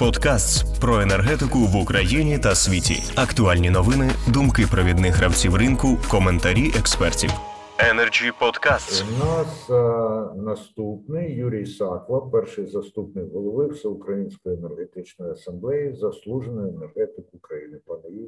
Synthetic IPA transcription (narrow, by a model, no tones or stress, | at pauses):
pɔd̪kast̪spɾɔenerɦɛt̪ɪkʊʋʊkɾʔɐjinʲit̪ɐsʲʋʲitʲḭ | ɐkt̪ʊɑlʲnʲinɔʋɪnɪd̪ʊmkɪpɾɐʋʲid̪nɪxɾɐwt͡sʲiwrɪnkʊkɔment̪ɐɾʲiʔekspɛrtʲḭw | ɛnerd͡ʒʲipɔd̪kasnas | nɐst̪upnɪjjuɾʲijsɑklˠɐpɛrʃɪjzɐst̪upnɪjɦɔlˠɔʋɪwsɛʊkɾɐjinʲsʲkɔjenerɦet̪ɪt͡ʃnɔjɐsɐmblˠɛjizɐslˠuʒenɔjenerɦɛt̪ɪkʊkɾɐjinɪpɐnɐji